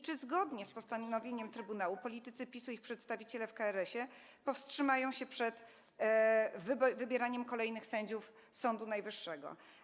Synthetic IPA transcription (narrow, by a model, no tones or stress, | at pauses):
t͡ʂɘzɡɔd̪ɲɛspɔst̪aɔvʲjeɲɛmt̪ɾɘbunawupɔlʲit̪ɘt̪sɘpʲisuixpʂɛt̪st̪avʲit͡ɕɛlɛfkaɛɾɛɕɛ | pɔfstʂɘmajɔ̃w̃ɕɛpʂɛt̪ | vbvɘbʲjɛɾaɲɛmkɔlɛjnɘxsɛɲd͡ʑuf | sɔnd̪unajvɘʂːɛɡɔ̰